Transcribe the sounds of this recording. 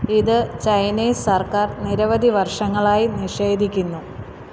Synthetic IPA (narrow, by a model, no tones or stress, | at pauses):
iðɨt͡ɕɐjniːsɐrkaːrniɾɐʋɐd̪ʱiʋɐrʂɐŋːɐɭaːjiniʂe̞ːd̪ʱikʲːunːu